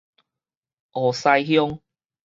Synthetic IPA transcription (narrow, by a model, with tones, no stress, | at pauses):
ʔɔ˨˩sa˧jhjɔ˧ŋ